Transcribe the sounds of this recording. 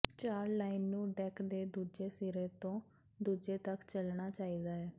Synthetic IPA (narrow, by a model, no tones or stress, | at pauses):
t͡ʃaːɾlaːinːũːɖɛːkd̪eːd̪uːd͡ʒeːsiɾeːt̪õː | d̪uːd͡ʒeːt̪əkt͡ʃəlɳaːt͡ʃaːiːd̪aːɛː